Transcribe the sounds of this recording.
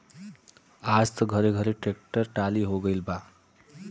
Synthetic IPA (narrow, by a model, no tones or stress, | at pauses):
ad͡zt̪ʌɡʱʌɾeɡʱʌɾeʈrek̚ʈʌrʈaliɦoɡʌjlba